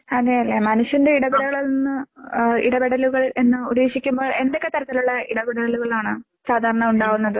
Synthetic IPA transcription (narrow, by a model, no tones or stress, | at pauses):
ɐðejɐlːemɐnuɕjɐnde̞iɽɐbiɽɐɣɐɭolnːɨḭɽɐbeɽɐluɣɐɭe̞nːɨuɾeːʂikʲːumboːɭe̞nd̪o̞kːe̞t̪ɐɾɐt̪ːiluɭːɐiɽɐbeɽɐɽɐluɣɐɭaːɳɨ | saːd̪ʱaːɾɐɳɐuɳɖaːɣunːɐðɨ